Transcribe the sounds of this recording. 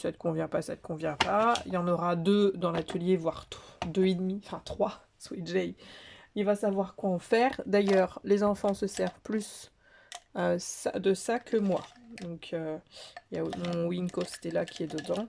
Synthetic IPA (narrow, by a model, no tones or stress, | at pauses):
sat̪ə̥kɔ̃vjɛ̃pasa̰t̪ə̥kɔ̃vjɛ̃paḭlɑ̃nɔʁad̪ød̪ɑ̃lat̪ʰəljevwaʁtd̪øed̪miɑ̃fɛ̃t̪χwa | swiʒɛjilvasavwaʁkwaɑ̃fɛːʁd̪ajœʁlezɑ̃fɑ̃səsɛʁvplys | øsa̰d̪əsakʰəmwa̰d̪ɔ̃kʰøilja̰mɔ̃winkofse̥t̪ɛlakʲʰiɛd̪əd̪ɑ̃